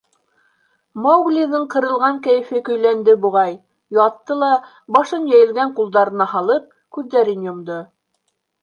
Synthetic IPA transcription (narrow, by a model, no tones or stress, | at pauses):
mɑwɡlʲiðɤɴqɤ̆ɾɤ̆lˠʁɑŋkæjɘ̆fɘkɵ̆jlænd̪ɘbuʁɑj | jɑt̪ːɤlˠɑ | bɑʃɤnjæjɘ̆lɡæɴqulˠd̪ɑɾɤ̆nɑhɑlˠɤp̚ | kʉðːæɾinjŏmd̪o